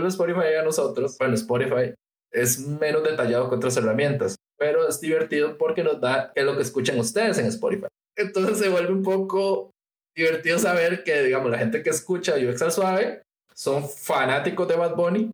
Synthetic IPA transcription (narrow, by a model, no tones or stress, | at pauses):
loespoɾifajano̞so̞t̪ɾosbwenoespoɾifaj | e̞zme̞no̞zd̪e̞t̪aʝað̞okeot̪ɾas̬e̞ramjẽ̞nt̪as | pe̞ɾo̞ezd̪iβe̞ɾt̪iðopo̞ɾke̞nozd̪akezlokeskut͡ʃaŋust̪e̞ðeseŋespo̰ɾifa̰j | ent̪onsesːeβwe̞lbeumpoko | d̪iβe̞ɾt̪iðos̬aβe̞ɾkeðiɣamolaxe̞nt̪ekeːskut͡ʃaiueksalswaβe | so̞ɱfanat̪iko̞zd̪eβad̪̚boni